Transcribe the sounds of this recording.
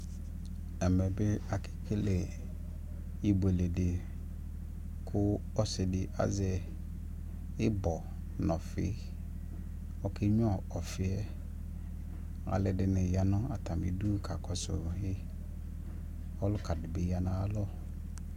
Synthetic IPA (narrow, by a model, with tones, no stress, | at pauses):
ɛ˨mɛ˨bɪ˦a˨kʰɪ̥˦kʰe˦le˨ | i˦be˨le˨dɪ˨ | kʰʊ˦ | ɔ˦sɪ˨dɪ˨ʔa̰˦zɛ˨ | ɪ˦bɔ˨ | nɔ̃˨fɪ̰˦ | ɔ˨kʰɪ˦ɲ˦ɔ˦˨ɔ˨fɪ˨ɛ˦ | a̰˨lɪ˨dɪ˨nɪ̃˨ja˨nʊ̃˦a˨tʰã˨mbi˨du˦kʰa˨kʰɔ˨sʊ̰˨hɪ˦ | ɔ˦lʊ˦kʰa˨dɪ˨bɪ˨˦ja˨nã˦a˦lɔ˦